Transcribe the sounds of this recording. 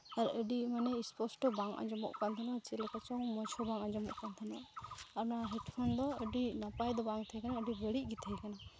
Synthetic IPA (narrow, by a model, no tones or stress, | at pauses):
aɾəɖimanɛispɔsʈɔbaŋa̰d͡ʒɔmɔ̰ʔkant̪ʰanwat͡ʃilɛkat͡ʃɔŋmɔt͡ʃʰɔbaŋad͡ʒɔmɔ̰ʔkant̪ʰanaːɾnaaɦɛʈpʰɔnd̪ɔəɖinapajd̪ɔbaŋt̪ʰəjkanaəɖibəɽiʔɡit̪ʰəjkana